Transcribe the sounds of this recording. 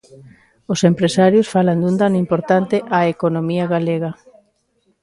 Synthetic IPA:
osempɾesaɾjʊsfaland̪und̪anʊimpoɾt̪ant̪ɪʔaekonomiɐɣaleɣɐ

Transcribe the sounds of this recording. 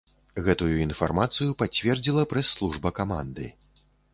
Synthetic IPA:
ɣɛt̪ujuinfarmat̪sɨjupat͡sʲvʲɛrd͡zʲilˠɐpɾɛsːlˠuʐbɐkama̰nd̪ɨ̰

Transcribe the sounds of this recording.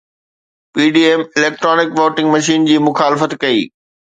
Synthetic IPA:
piːɖiːeːmɪleːk̚ʈɾoːnɪkʋoːʈɪ̃ŋɡmɐʃiːnd͡ʑiːmʊxaːlɪfət̪kɐiː

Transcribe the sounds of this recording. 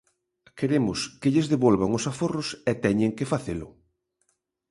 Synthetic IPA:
keɾemʊskeʎɪzðeβolβaŋʊsaforʊsɛt̪ɛɲeŋkɪfaθelʊ̰

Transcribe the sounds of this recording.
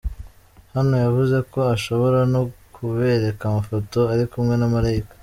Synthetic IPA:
hano̞javuze̞ko̞aʃo̞βo̞ɾano̞kʰuβe̞ɾe̞kamafo̞to̞aɾikumŋe̞namaɾaikḁ

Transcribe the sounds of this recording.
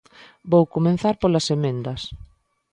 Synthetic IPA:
bowkomẽnθaɾpolɐsemẽnd̪ɐs

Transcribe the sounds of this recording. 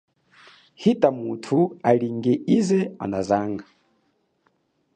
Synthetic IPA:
hitʼamutʰuaɺiŋɡɛʔizɛa̰nazaːŋɡa

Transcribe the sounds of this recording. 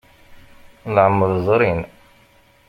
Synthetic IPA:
lʕəmːəðzˤɾin

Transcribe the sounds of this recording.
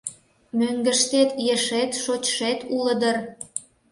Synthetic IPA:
møŋɡə̆ʃt̪et̪jeʃet̪ʃot͡ɕʃet̪ʰuləd̪ə̆r

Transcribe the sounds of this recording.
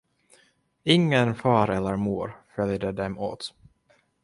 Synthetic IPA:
ɪŋːənfɑːɾɛlːəɾmuːɾfœljd̪əd̪ɛmo̰ːt̪

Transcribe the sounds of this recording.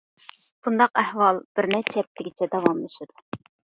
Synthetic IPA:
b̥und̪ɑqæhwɑlˠb̥ɪɾnɪt͡ʃʰɛp̚t̪ʰɪɡʲit͡ʃʰɛd̪ɛwɑmlˠɨʃɨd̪̥u

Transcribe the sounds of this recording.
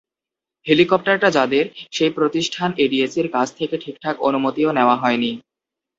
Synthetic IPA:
helikɔp̚ʈaɾʈad͡ʑad̪eɾʃejpɾot̪iʃʈʰaneɖiesiɾkad͡ʑʰt̪ʰekeʈʰik̚ʈʰako̰numot̪ioneoaɦɔeni

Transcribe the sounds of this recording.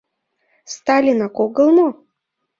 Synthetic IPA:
st̪alʲinakoɡəlˠno

